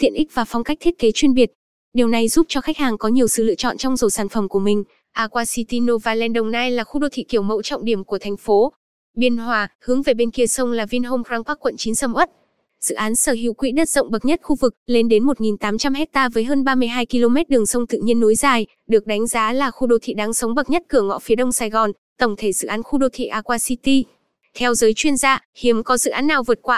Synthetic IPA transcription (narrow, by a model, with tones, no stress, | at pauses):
t̪ʰḭ˧˨ənʔï˦˥k̚vaː˨˩fɔ˧wŋ͡mka˦˥k̚t̪ʰi˦˥t̚ke˨˦t͡ɕwi˧ənɓi˨˩ət̚ | ɗi˨˩əwna˨˩jzu˦˥p̚t͡ɕɔ˧xa˦˥k̟̚haː˨˩ŋkɔ˨˦ɲi˨˩əwsɨ̰˧˨lɨ̰˧˨ət͡ɕɔ̰˧˨nt͡ɕɔ˧wŋ͡mzo˨˩saː˧˩nfə˧˩mku˧˩əmï˨˩ŋ̟ | ʔaː˧kwaː˧si˧t̪i˧no˧vaː˨˩lɛ˧nɗə˨˩wŋ͡mnaː˧jlaː˨˩xu˧ɗo˧t̪ʰḭ˧˨ki˧˩əwmə̰˧˨wt͡ɕɔ̰˧˨wŋ͡mɗi˧˩əmku˧˩ət̪ʰa˨˩jŋ̟fo˨˦ | ɓi˧ənɦwaː˧˩hɨ˨˦əŋve˨˩ɓe˧nki˧əsə˧wŋ͡mlaː˨˩vi˧nɦo˧mkwaː˧ŋkwaː˦˥kːwə̰˧˨nt͡ɕi˨˦nsə˧mʔə˦˥t̚ | z̥ɨ̰˧˨ʔaː˨˦nsəː˧˩ɦḭ˧˨wkwḭ˧˥ɗə˦˥t̚z̥ə̰˧˨wŋ͡mɓə˨˩t̚ɲə˦˥t̚xu˧vɨ˨˩k̚le˧nɗe˨˦nmo˨˩t̚ŋi˨˩nt̪aː˨˦mt͡ɕa˧mɦɛ˦˥k̚t̪aː˧vəː˨˦jɦəː˧nɓaː˧mɨ˧əjɦaː˧jki˧lo˧mɛ˦˥t̚ɗɨ˨˩əŋsə˧wŋ͡mt̪ɨ̰˧˨ɲi˧ənːu˨˦jzaː˨˩j | ɗɨ˨˩ək̚ɗa˨˦jŋ̟zaː˨˦laː˨˩xu˧ɗo˧t̪ʰḭ˧˨ɗaː˨˦ŋsə˨˦wŋ͡mɓə˨˩t̚ɲə˦˥t̚kɨ˧˩əŋɔ̰˧˥fi˨˦ɗə˧wŋ͡msaː˧jɣɔ˨˩n | t̪ə˧˩wŋ͡mt̪ʰe˧˩zɨ̰˧˨ʔaː˨˦nxu˧ɗo˧t̪ʰḭ˧˨ʔaː˧kwaː˧si˧t̪i˧ | t̪ʰɛ˧wzəː˨˦jt͡ɕwi˧ənzaː˧hi˨˦əmkɔ˨˦zɨ̰˧˨ʔaː˨˦nːaː˨˩wvɨ˨˩ət̚kwaː˧